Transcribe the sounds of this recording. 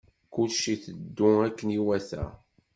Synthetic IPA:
kʊlʃiθəd̪ːʊækːəniwæθæ̰

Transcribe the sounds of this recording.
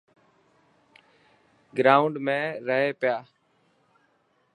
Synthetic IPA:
ɡɾaːʊɳɖmẽːɾəɦeːpɪjaː

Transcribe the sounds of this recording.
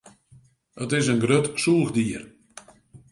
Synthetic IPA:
ətɪsənɡrøtsulˠxdiər

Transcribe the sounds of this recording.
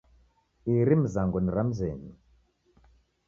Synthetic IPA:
iɾim̩zaŋɡɔniɾam̩zɛɲi

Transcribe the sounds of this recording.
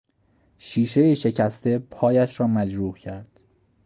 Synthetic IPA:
ʃiːʃe̞jeʃe̞cʰæst̪e̞pʰɒːjæʃɾɒːmæd͡ʒɾuːhcʰæɾd̪̥

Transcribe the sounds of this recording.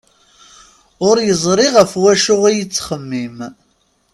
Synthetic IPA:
ʊɾjəzˤɾˤɪʁəfwæʃʊʁijət͡sːχəmːim

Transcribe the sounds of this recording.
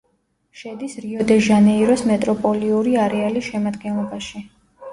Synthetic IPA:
ʃɛd̪isɾiɔd̪ɛʒanɛiɾɔsmɛt̪ʼɾɔpʼɔliuɾiaɾɛalisʃɛmad̪ɡɛnlˠɔbaʃi

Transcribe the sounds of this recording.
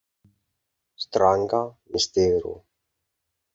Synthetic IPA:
st̪ɾaŋkamist̪eːɾṵ

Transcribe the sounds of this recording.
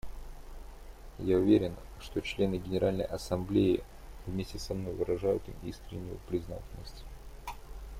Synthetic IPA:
jaʊvʲeɾʲɪn | ʂt̪o̞t͡ɕlʲe̞nɨɡʲɪnʲɪɾʔalʲnə̰jʔɐsɐmblʲeɪ | vmʲesʲtʲɪsɐmno̞jvɨɾɐʐajʊt̪ɨmḭskɾʲɪ̰nʲːʊjʊ̰pɾʲɪzna̰tʲɪlʲnəsʲtʲ

